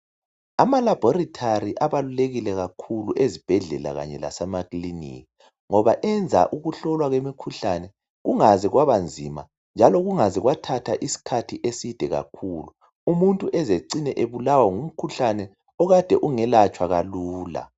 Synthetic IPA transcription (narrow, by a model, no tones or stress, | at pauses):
amalab̥ʱɔritʰariʔaβaluleɣilɛɣakʰuluʔezib̥ʱɛɮɛ̰la̰ɣa̰ɲɛla̰sɛmakʼlinḭki | ŋɔβaʔɛnd͡zʱa̰ʔuɣuɬɔlwaɣwemikʰuɬanɛ | ɣuŋazɛɣwaβand͡zʱima̰ | nd͡ʒʱalɔɣuŋazɛɣwatʰatʰaʔisi̥kʰatʰiʔesid̥ʱɛɣa̰kʰuːlu | umuntʼuʔɛzeǀinɛʔeβulawaŋum̩kʰuɬanɛ | ɔɣad̥ʱɛʔuŋɛlat͡ʃʼwaɣaluːla̰